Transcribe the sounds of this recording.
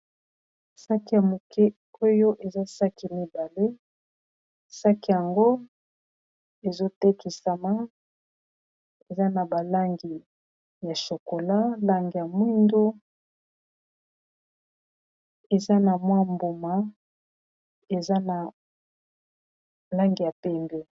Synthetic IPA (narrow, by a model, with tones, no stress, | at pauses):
sa˦ki˦ja˨mo˨kɛ˦ | o˦jo˦ʔe˨za˦sa˦ki˨mi˦ba˨le˦ | sa˦ki˦˨ja˨ŋɡo˦ | e˨zo˦te˦ki˨sa˨ma˦ | e˨za˦na˨ba˨la˦ŋɡi˨ | ja˨ʃo˨ko˨la˦la˦ŋɡi˨ja˨mwi˦ndu˦ | e˨za˦na˨mwa˦mbo˨ma˨ | e˨za˦n˨ | la˦ŋɡi˨ja˨pɛ˦mbɛ˦